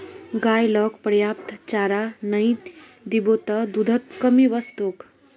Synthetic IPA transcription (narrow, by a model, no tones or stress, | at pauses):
ɡajlɔkpəɾjapt̪t͡ɕaɾanəĩt̪ | d̪ibot̪əd̪ud̪ʱət̪kəmiʋəst̪uk